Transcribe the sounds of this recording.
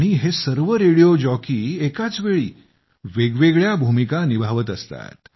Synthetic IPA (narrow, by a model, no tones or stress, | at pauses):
ɽ̃iɦesəɾʋəɾeɽijod͡ʑɔkiːekat͡sʋeɭiː | ʋeɡʋeɡɭjabʱumikanibʱaʋət̪əst̪a̰t̪